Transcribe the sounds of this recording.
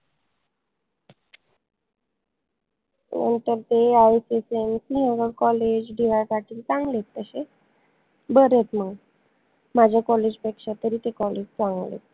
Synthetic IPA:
nə̰nt̪əɾt̪eajsesemsiɦə̃ɡəɽkɔled͡ʑɖiʋasaʈʰiːlt͡saŋɡlet̪ːəɕe | bəɾet̪məɡ | mad͡ʑʱjakɔled͡ʑpekʂat̪əɾiːt̪ekɔled͡ʑt͡sãŋɡlḛt̪

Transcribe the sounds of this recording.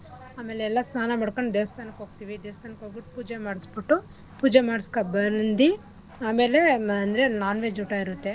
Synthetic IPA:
aːme̞ːleɛlːɐsnaːnɐmɐːɽkoɳɖd̪eːʋɐst̪ʰaːnɐkɦoːɡt̪iːʋid̪eːʋɐst̪ʰaːnɐkɦoːbiʈːupuːd͡ʒemaːɽisbiʈːu | puːd͡ʒemaːɽiskabɐɾnd̪i | aːme̞ːle̞ɐnd̪ɐɾenaːnʋeːd͡ʒuːʈaiɾut̪ːe̞

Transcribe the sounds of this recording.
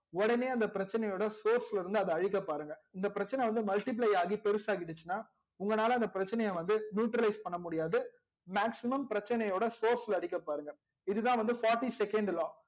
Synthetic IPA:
ɔɽɐneːɐnd̪ɐpɪɾɐt͡ʃːɐnɐjoːɽɐsoːɾslɪɾɯnd̪ɯɐðɯɐɻɪkːɐpːaːɾɯŋɡɐɪnd̪ɐpɪɾɐt͡ʃːɐnɛʋɐnd̪ɯmɐlʈɪp̬lɐɪaːɣipɛɾɯsaːɣɪʈːɯt͡ʃːɯnːaː | ʊŋɡɐnaːlɐɪnd̪ɐpɪɾɐt͡ʃːɐnɐjɐ̃ʋɐnd̪ɯnjuːʈɾɐlɐɪspɐɳːɐmʊɽɪjaːðɯ | maːksɪmɐmpɪɾɐt͡ʃːɐnɐjoːɽɐsoːɾslɐɽɪkːɐpːaːɾɯŋɡɐ | ɪðɯðãːʋɐnd̪ɯfaːɾʈːisɛkɛɳɖlaː

